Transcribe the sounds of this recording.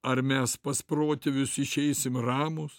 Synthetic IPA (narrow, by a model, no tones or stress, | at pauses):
ɐɾmʲɛspɐspɾoːt̪ʲeʋʲʊsɪʃʲɛɪsʲɪmrɑːmʊs